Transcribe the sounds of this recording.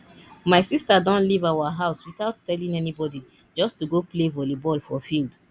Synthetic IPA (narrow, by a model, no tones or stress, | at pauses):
maɪsistadɔ̃nlivawaɦaʊswitaʊtːɛlĩŋɛnibɔdi | d͡ʒɔstuɡoplevɔlebɔlfɔfild